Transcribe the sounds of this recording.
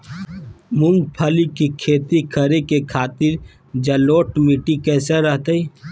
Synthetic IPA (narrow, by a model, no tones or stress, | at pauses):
mʊ̃ŋɡ̚pʰəlikikʰeːt̪ikʰəɾekekʰaːt̪ɪɾ | d͡ʒɐloːʈmiʈikɛːseɾəɦt̪əi